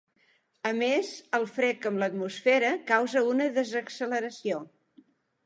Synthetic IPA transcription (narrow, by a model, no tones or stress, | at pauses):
əmezəlˠfɾɛkəmlət̪musfɛɾəkawzəunəðəzəksələɾəsio